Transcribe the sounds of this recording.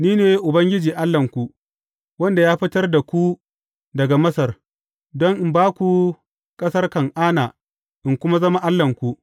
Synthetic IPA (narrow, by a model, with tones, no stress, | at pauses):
niː˦neː˨jʔʊ˨bɐ˦ŋɡʲɪ˦d͡ʒiː˨ʔa˦lːɐ˨ŋkʷu˨ | wɐ˦nda˨jaː˦ɸɪ˦tɐ˦rda˨kʷu˦ | dɐ˨ɡa˨mɐ˦sɐ˨r | dɔ˦ŋʔɪ˨mbaː˦kʷu˨ | kʼɐ˦sɐ˦rkɐ˨ŋʔaː˦naː˨ | ʔɪ˨ŋkʷʊ˦ma˦zɐ˦ma˦ʔa˦lːɐ˨ŋkʷu˨ʔ